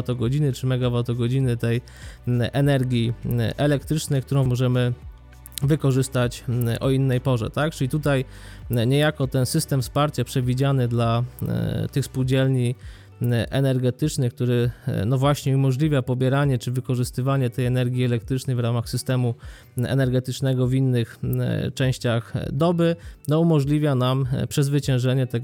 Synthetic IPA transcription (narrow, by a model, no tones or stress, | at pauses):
at̪ɔɡɔd͡ʑinɘt͡ʂɘmɛɡavat̪ɔɡɔd͡ʑinɘt̪ɛj | ʔɛnɛɾɡʲjiʔɛlɛk̚t̪ɾɘt͡ʂnɛjkt̪uɾɔ̃w̃mɔʐɛmɘ | vɘkɔʐɘst̪at͡ɕʔɔinːɛjpɔʐɛ̰t̪ak̚t͡ʂɘlʲit̪ut̪aj | ɲɛjakɔt̪ɛnsɘst̪ɛmfspaɾt͡ɕapʂɛvʲid͡ʑanɘd̪la | t̪ɘxspuwd͡ʑɛlɲi | ʔɛnɛɾɡɛt̪ɘt͡ʂnɘk̚t̪uɾɘnɔvwaɕɲɛumɔʐlʲivʲjapɔbʲjɛɾaɲɛt͡ʂɘvɘkɔʐɘst̪ɘvaɲɛt̪ɛjɛnɛɾɡʲiɛlɛk̚t̪ɾɘt͡ʂnɛjvɾamaxsɘst̪ɛmu | ɛ̰nɛɾɡɛt̪ɘt͡ʂnɛɡɔvinːɘxt͡ʂɛ̃w̃ɕt͡ɕaxd̪ɔbɘnɔumɔʐlʲivʲjanampʂɛzvɘt͡ɕɛ̃w̃ʐɛɲɛt̪ɛɡ